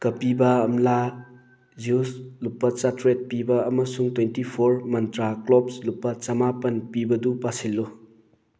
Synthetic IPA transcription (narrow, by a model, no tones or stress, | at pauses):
kɐpibɐɐmla | zuslupːɐt͡ʃatɾet̚pibɐːmɐsuŋtwentipʰoɾmɐntɾaklɔp̚slupːɐt͡ʃɐmapɐnpibɐdupasilːo